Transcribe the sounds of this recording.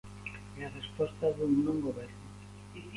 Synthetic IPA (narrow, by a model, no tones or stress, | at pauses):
earespost̪aðuŋnõŋɡoβeɾnu